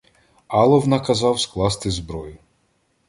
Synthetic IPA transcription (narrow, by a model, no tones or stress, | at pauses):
ɑlˠɔwnɐkɐzɑwsklˠɑst̪ɪzbɾɔjʊ